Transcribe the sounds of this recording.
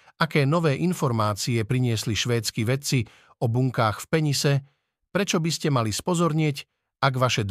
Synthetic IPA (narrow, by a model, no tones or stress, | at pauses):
akɛːnɔʋɛːʔinfɔɾmaːt͡siɛpɾiɲɪɛsliʃʋɛːt͡skiʋɛt͡si | ɔbuŋkaːxfpɛɲisɛ | pɾɛt͡ʃɔbiscɛmalispɔzɔɾɲɪɛc | aɡʋaʃɛd̪